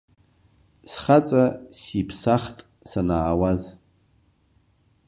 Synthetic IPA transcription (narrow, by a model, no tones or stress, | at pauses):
sχat͡sʼasipʰsaχtʼ | sanaːwaz